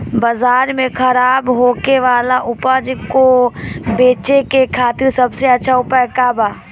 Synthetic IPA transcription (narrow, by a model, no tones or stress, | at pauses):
bəzaːɾmẽkʰɐɾaːbɦoːkeʋaːlaʔʊpad͡ʒkobeːt͡ʃekekʰaːt̪ɪɾsɐbseɐtːʃʰaʊpəkabaː